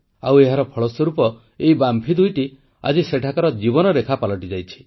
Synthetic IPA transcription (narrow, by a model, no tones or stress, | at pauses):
aweɦaɾɔpʰɔɭɔsɔɾupɔ | eibampʰid̪ujʈi | a̰d͡ʒiseʈʰakɔɾɔd͡ʒiβɔnɔɾekʰapalɔʈid͡ʒajt͡ʃʰi̥